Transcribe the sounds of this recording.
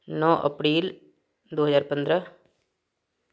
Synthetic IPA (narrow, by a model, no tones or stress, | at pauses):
nɔ̃ːʔə̰pɾiːl | d̪oːɦəzaːɾpənd̪ɾə